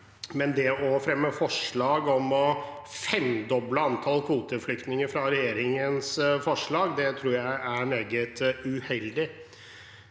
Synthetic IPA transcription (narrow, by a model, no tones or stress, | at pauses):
mɛnd̪ɛʔɔfɾɛmːəfɔʂɭɑːɡɔmɔ | fɛnd̪ɔbləɑnt̪ʰɑlkʰuːt̪əflʏkt̪nɪŋəɾfɾɑɾɛjeːɾɪŋənsfɔʂɭɑːɡd̪ɛt̪ʰɾuːɾjæɪæɾmeːɡət̪ʉhɛld̪ɪ